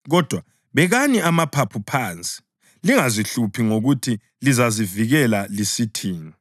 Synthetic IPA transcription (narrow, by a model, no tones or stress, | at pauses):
ɣɔd̥ʱwa | βɛɣaniamapʰapʰupʰant͡sʼi̥ | liŋaziɬupʰiŋoɣutʰi | lizaziviɣɛlalisitʰiːnɔ